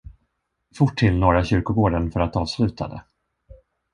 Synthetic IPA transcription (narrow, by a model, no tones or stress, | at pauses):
fʊʈʰːɪlːnoːɾaɕʏɾkʊɡoːɖənfœɾat̪ɑːvslʉ̟ːt̪ʰa̰d̪ə̰